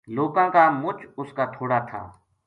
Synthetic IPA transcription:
loːkãːkaːmʊt͡ʃʊskaːt̪ʰoːɽaːt̪ʰa̰ː

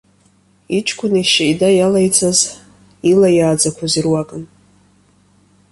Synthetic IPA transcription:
it͡ʃʰkʷʰʼʊniʃajdajalajt͡sʰaz | ilajaːd͡zakʷʰazirwakʼɨn

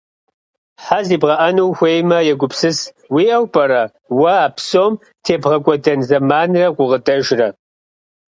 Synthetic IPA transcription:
ħaziːbʁɐʔɐnuwxʷeːjmɐjɛɡʷʊpʰsɨs | wiːʔɐwpʼɐɾɐ | wɐaːpʰsoːm | tʰeːbʁɐkʷʼɔdɐnzɐmaːnrɐqʷʊʁətʼɐʒrɐ

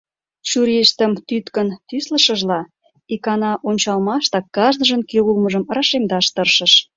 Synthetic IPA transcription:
ʃuɾeʃt̪əmt̪yt̪kənt̪yslə̆ʃə̆ʒlɑ | ikɑnɑʔonʲt͡ɕɑlmɑʃt̪ɑkːɑʒnəʒə̆nkeulməʒəməɾɑʃemd̪ɑʃt̪ərʃə̆ʃ

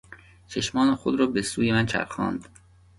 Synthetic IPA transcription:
t͡ʃʰeʃmɒːnexod̪ɾɒːbesuːjemænt͡ʃʰæ̰ɾxɒ̰ːnd̪

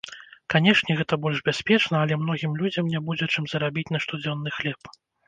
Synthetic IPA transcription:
kanʲɛʂnʲɛɣɛt̪ɐbɔlʲʐbʲasʲpʲɛt͡ʂnɐːlʲɛmnɔɣʲimlʲud͡zʲɐmnʲabud͡zʲɛt͡ʂɨmzɐɾabʲit͡sʲnɐʂt̪ud͡zʲɔnːɨxlʲɛp

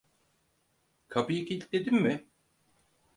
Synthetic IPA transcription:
kʰapɯjɯkil̚ʲd̪e̞d̪immɪ

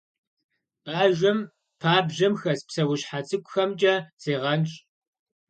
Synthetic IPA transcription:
pʼaːʒʷɐm | pʰaːbʑɐmxɐspsɐwʊɕħat͡sʼɨkʷʊxɐmt͡ʃʼɐz̥eːʁɐnɕʼ

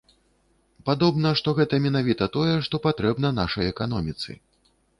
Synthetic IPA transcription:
pad̪ɔbnɐʂt̪ɔɣɛt̪ɐmʲɛnavʲit̪ɐt̪ɔjɛʂt̪ɔpat̪ɾɛbnɐnaʂɐjɛkanɔmʲit̪sɨ̰

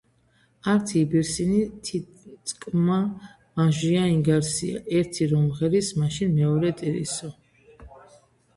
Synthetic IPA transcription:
aɾt̪ʰiːbiɾsinit̪ʰi | kʼma | maʒiaiŋɡaɾsia̰ʔɛɾt̪ʰiɾɔmʁɛɾismaʃinmɛɔɾɛt̪ʼiɾḭsɔ

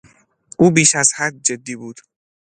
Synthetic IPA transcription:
ʔuːbiːʃæz̥hæd̪̚d͡ʒed̪ːiːbuːd̪̥

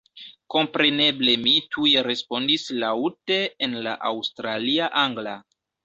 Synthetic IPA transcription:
ko̞mpɾe̞ne̞ble̞mitʰujeɾe̞spo̞ndislaute̞ːnla̰ʔawstɾaliaʔaŋɡla

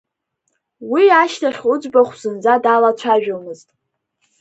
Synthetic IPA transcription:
wiaʃtʰaχʲʊd͡ʒʷbaχʷz̥ɨnd͡zadalat͡ɕʷʰaʒᶣomɨztʼ

